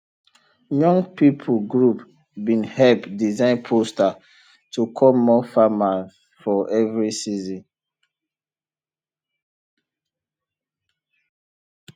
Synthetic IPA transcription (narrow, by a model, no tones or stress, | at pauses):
jɔ̃ŋpipʰuɡɹup | bĩnhɛlpdizãɪ̃npʰosta | tʰukʰɔlmɔfama | fɔʔɛvɹisizɔ̃n